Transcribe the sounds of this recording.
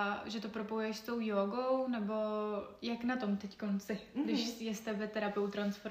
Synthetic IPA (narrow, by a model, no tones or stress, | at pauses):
ʒɛt̪o̞pɾopojujɛʃst̪o̞wjoːɡo̞wnɛbo̞jaknat̪o̞mt̪ɛckonsɪɡdɪʃsjɛst̪ɛvɛt̪ɛɾapɪowt̪ɾansfo̞ɾ